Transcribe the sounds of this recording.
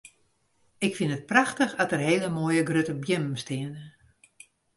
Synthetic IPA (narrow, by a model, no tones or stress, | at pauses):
ɪkfinət̚praxtəxɔtərɦeːləmoːjəɡrøtəbjɪmm̩stɪəndə